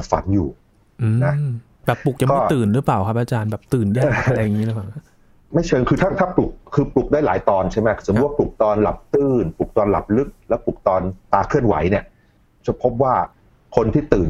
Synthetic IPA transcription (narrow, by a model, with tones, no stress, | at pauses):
fa̰˨˩˦njuː˨˩ | ʔɯːna˦˥ | bɛː˨˩pːu˨˩k̚ja˨˩kɔː˦˥˩ɯː˨˩nɾɯ˦˥plaː˨˩wkʰa˦˥p̚ʔaː˧t͡ɕaː˧nbɛː˨˩p̚t̪ɯː˨˩ndɯ˥˩˨a˦˧la˧ja˧ŋːiː˦˥la˦˥a˨˩ŋkʰa˦˥ | ma˥˩jt͡ɕʰɤː˧ŋkʰɯː˧t̪ʰaː˥˩t̪ʰaː˥˩plu˨˩k̚ʰːɯː˧plu˨˩k̚daː˥˩jlaː˩˦jt̪ɔː˧nt͡ɕʰa˥˩jma˦˥˩s̚wa˥˩p̚lu˨˩k̚t̪ɔː˧nla̰˨˩p̚t̪ɯː˥˩npu˨˩k̚t̪ɔː˧nla̰˨˩p̚lɯ˦˥k̚lɛː˦˥wpu˨˩k̚t̪ɔː˧nt̪aː˧kʰɯ˥˩ənwa̰˩˦jni˥˩ə | t͡ɕʰa˨˩pʰo˦˥p̚waː˥˩ | kʰo˧nt̪ʰiː˥˩t̪ɯː˨˩n